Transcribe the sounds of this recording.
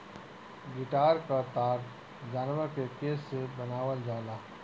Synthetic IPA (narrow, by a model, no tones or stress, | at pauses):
ɡɪʈaːɾkat̪aːɾ | d͡ʒaːnʋəɾkekeːsːebənaːʋəld͡ʒaːlaː